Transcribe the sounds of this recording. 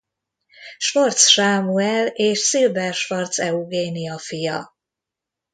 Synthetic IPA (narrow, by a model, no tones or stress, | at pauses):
ʃfort̪sʃaːmuɛleːʃsilvɛrʃfɒrt̪sɛuɡeːnijɒfijɒ̰